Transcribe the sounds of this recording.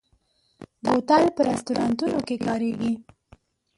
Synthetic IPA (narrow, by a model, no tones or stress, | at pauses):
bot̪alpəɾast̪uɾɑnt̪unokekɑɾeɡi